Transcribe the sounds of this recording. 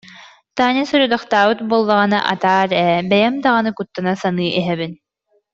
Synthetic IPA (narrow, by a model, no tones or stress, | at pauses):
t̪aːnisuɾud̪ɔχt̪aːbɯt̪buːlˠːaʁɯnaʔa̰t̪aːɾɛbɛjɛmd̪aʁanɯkut̪ːanasanɯːʔiɦɛβin